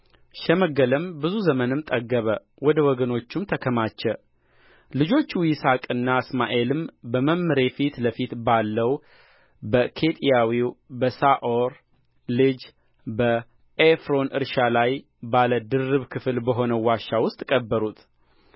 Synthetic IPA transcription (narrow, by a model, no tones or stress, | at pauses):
ʃɛməɡələmbɨzuzəmənɨmt̪ʼəɡːəβə | wɔd̪əwɔɡəno̞t͡ʃːumt̪ʰəkʰəmat͡ʃːɛ | lɨd͡ʒo̞t͡ʃːwisakʼɨnːaɨsma̰ʔe̞lɨmbəməmːɨɾe̞fit̪ləfit̪balːəw | bəkʰe̞t̪ʼijawiwbəsaʔoɾ | lɨd͡ʒ | bə | efɾo̞nʔɨɾʃalaj | baləd̪ɨrɨβkʰɨflbəɦo̞nəwaʃːawʊst̪ʼkʼəbːəɾut̪ʰ